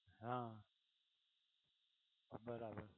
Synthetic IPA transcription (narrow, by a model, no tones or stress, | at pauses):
ɦãː | bəɾaːbəɾ